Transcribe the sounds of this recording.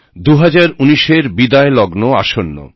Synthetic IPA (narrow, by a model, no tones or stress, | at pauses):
d̪uɦad͡ʑaɾuniʃeɾbid̪aelɔɡnoa̰ʃonːo̰